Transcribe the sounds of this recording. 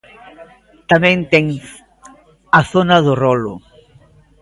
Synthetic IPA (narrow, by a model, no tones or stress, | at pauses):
t̪amɛ̃nt̪ɛŋ | ɐθonɐðʊrɔlʊ̰